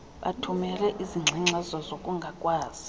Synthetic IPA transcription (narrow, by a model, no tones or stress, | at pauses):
ɓa̰tʰumɛlɛʔiziŋ͡ǀʱiŋ͡ǁazɔzokʼuŋɡʱakʼwaːz̥i